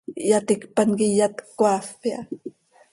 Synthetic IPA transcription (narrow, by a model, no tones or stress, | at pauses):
jat̪ikpankijat̪kwafia̰